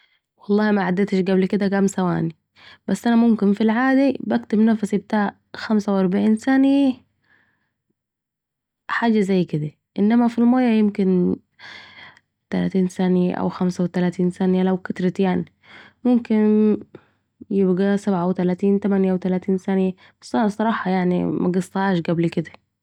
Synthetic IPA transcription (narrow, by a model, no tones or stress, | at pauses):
wɑlˤːɑːhimæʕad̪ːeːt̪eʃɡæblked̪æɡæmsæwa̰ːni | bæsːʔænæmʊmkɪnfilʕaːd̪ibækt̪ebnæfsibt̪aːʕ | xæmsæwʔɑɾˤbaʕiːnsænje | ħaːd͡ʒːæzæjːked̪æ | ʔɪnːæmæfilmɑjːæjɪmkɪn | t̪ælæ̰ːt̪iːnsænjæʔæ̰wxæmsæwɪt̪ælæːt̪iːnsænjalæwkɪt̪ɾɑt̪jaʕni | mʊmkɪn | jɪbɡæsabʕawt̪ælæːt̪iːnt̪æmænjæwt̪ælæːt̪iːnsænja | sˤsˤɑɾˤɑːħɑjaʕnḭmʔæɡɑsˤt̪ˤɑʕɑːʃɡæblkɪd̪æ̥